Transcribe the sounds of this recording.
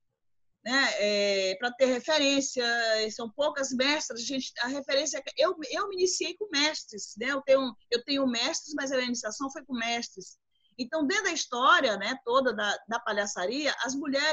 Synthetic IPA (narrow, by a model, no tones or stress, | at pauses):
nɛɛpɾɐt̪ehefeɾẽsiɐɛsɐ̃w̃powkɐzmɛʃt̪ɾɐzɐʒẽnt͡ʃɪ̥ɐɦefeɾẽs̬jɐɛkʔewewminisiejkõmɛʃt̪ɾɪsnɛewt̪ẽɲʊ̃ewt̪ẽɲʊmɛʃt̪ɾɪzmɐjzɐminisiasɐ̃w̃fojkõmɛʃt̪ɾɪs | ẽt̪ɐ̃w̃d̪ẽd̪ɐist̪ɔɾiɐnɛt̪od̪ɐd̪ɐd̪ɐpaʎasaɾiɐʔɐzmuʎɛ